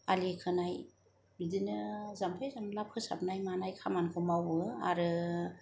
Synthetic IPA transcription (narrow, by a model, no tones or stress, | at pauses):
alikʰɯnaj | bidinɯzampʰajzamlap̚kʰɯsa̰p̚najmanajkʰamankʰɯmawbɯa̰ɾɯ